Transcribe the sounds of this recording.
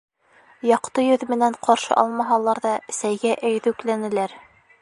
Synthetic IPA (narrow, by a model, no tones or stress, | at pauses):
jɑqt̪ɤjɵðmɘ̆næɴqʰɑɾʃɤ̰ʔɑ̰lˠmɑɦɑlˠɑɾðɑsæjɡæʔæjðʉklænɘ̆læɾ